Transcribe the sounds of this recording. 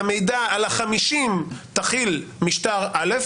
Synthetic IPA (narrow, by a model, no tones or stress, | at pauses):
mejdaalaχamiʃimt̪aχilmiʃtaʁalef